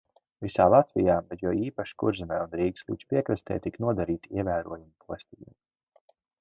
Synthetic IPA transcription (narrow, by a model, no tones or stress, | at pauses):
visaːlˠat̪vʲijaːbɛt̪jawiːpaʃkuɾzimɛːunɾiːkslˠḭːt͡ʃspʲiɛkɾast̪ʲɛ̰ːjt̪iknuɔd̪aɾiːt̪iɛvæːɾṵɔjumpuɔsʲt̪ʲijḭm